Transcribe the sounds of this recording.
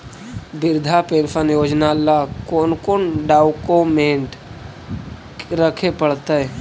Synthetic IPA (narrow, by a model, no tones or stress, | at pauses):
bɪɾd̪ʱapeːɾpʰənjoːd͡ʒnalakoːnkoːnɖaːʊkomẽːɳʈ | ɾəkʰepəɽt̪aɦɛ